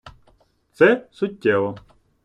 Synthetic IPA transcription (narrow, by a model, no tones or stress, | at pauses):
t̪sɛsʊtʲːɛʋɔ